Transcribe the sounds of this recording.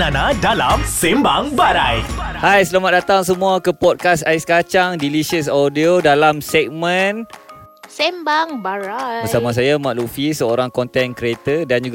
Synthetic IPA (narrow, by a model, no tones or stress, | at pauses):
anadalamsɛmbaŋbaɾajhajsəlamat̪̚dat̪aŋs̬əmũakəpɔd̚kasaiskat͡ʃaŋdiliʃəsɔdiodalamsɛk̚mə̃n | sɛmbaŋbaɾabəsamas̬ajamaʔ̚lufisəoɾaŋkɔnt̪ɛnkɾet̪ədand͡ʒuɡ